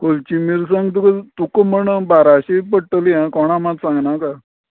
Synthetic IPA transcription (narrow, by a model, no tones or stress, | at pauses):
kolt͡ɕimiɾsəŋɡt̪ukət̪ukəm̤əɳəbaɾaɕipəɽʈəliãkɔɽ̃amat̪sãŋɡnaka